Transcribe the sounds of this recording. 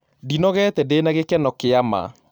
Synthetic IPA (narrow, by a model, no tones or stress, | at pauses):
dinɔɣɛtɛdenaɣekɛnɔkeama̰